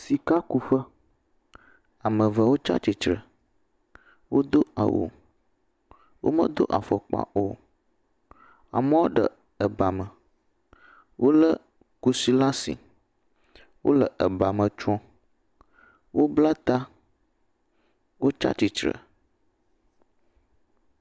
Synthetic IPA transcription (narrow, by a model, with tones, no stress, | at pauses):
si˨ka˦ku˨ɸə˦ | a˨mə̃˨və˨wo˦t͡ʃa̰˦t͡ɕi˨t͡ʃɾə˨ | wo˦d̪o˦a̰˨wʔo̰˨ | wo̰˦mə̰̃˦d̪o˦ʔa̰˨fɔ˨k͡pa̰˦ʔo˦ | a̰˨mə̃˦wo˦ɖə̰˨ | ə˨ba˨mə̃˨ | wʔo˦lə˦ | ku˦si˦la˦sḭ˨ | wʔo̰˦lə˨ʔə˨ba˨mə̃˨t͡ʃɔ̃˦ | wo˦bla˦t̪a˦ | wo˦t͡ʃa̰˦t͡ʃi˨t͡ʃɾə̰˨